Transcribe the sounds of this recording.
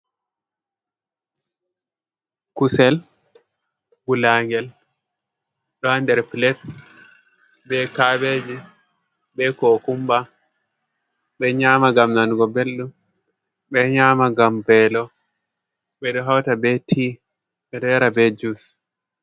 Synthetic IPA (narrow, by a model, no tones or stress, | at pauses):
kusɛl | bulaŋɡɛl | ɗɔandɛɾpilɛt̚ | bɛkaːbed͡ʒi | bɛkokumba | ɓɛɲaːmaɡamnanɡɔbelːum | ɓɛɲaːmaɡambɛlɔ | ɓɛɗɔɦawtabɛtʰi | ɓɛɗɔjaɾabɛd͡ʒus